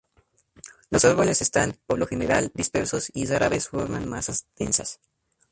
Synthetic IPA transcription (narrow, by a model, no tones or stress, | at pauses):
lo̞saɾβole̞sest̪anpoβlo̞xe̞ne̞ɾald̪ispe̞ɾso̞sisaɾaβesfo̞ɾmanma̰sazt̪e̞̰nsas